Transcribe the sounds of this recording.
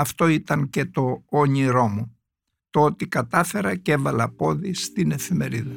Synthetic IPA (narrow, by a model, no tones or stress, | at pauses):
ɐft̪o̞it̪ɐŋce̞t̪o̞oɲiɾo̞mu | t̪oot̪ikɐt̪ɐfe̞ɾɐcevɐlɐpo̞ðist̪ine̞fime̞ɾiðɐ